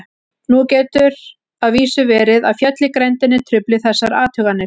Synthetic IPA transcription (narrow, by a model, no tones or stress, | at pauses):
nucɛːt̪ʏɾ | aðviːsʏvɛːɾɪðaðfjɛt̪lɪkɾɛjnt̪ɪnːɪt̪ʰɾʏplɪθɛsːaɾaːt̪ʰʏɣanːɪɾ̥